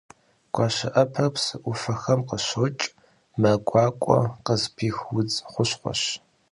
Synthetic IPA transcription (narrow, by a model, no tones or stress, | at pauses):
ɡ̥ʷɑːɕɐʔɐpʰɐpsɨʔʷʊfɐxɐmqəɕot͡ʃʼ | mɐɡʷʼɑːkʷʼɔ̰qəzpʰiːxwʊd͡zχʷʊɕχʷɔ̰ɕ